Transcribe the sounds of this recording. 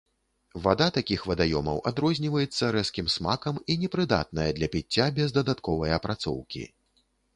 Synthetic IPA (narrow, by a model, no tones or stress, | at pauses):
vad̪at̪akʲixvɐd̪ajɔmɐ̰wʔad̪ɾɔzʲnʲivɐjɛt̪sːɐɾɛskʲimsmakɐminʲɛpɾɨd̪a̰t̪̚nɐjɐd̪lʲɐpʲit͡sʲːabʲɛzd̪ɐd̪at̪kɔvɐjɐɐpɾʔat̪sɔ̰wkʲḭ